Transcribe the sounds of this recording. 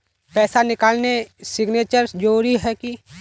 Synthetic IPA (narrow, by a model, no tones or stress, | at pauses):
pɛːsanɪkaːlnesɪɡneːt͡ʃəɾd͡ʒoːɾiɦɛki